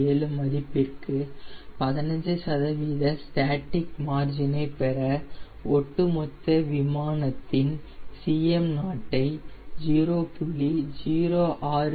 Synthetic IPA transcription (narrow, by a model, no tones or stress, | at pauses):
eːlɯmɐðɪpːɪrkɯpɐðɪnɐɲd͡ʒɯsɐðɐʋiːðɐsʈaːʈːɪk̚maːɾd͡ʒɪnɐɪpɛɾɐ | ɔʈːɯmɔt̪ːɐʋɪmaːnɐt̪ːɪn | siːjɛmnaːʈːɐɪd͡ʒiːɾoːpʊɭid͡ʒiːɾoːʔaːɾ